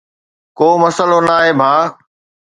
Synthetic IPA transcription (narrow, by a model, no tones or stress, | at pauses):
koːmɐsəlonaːɦeːbʱaː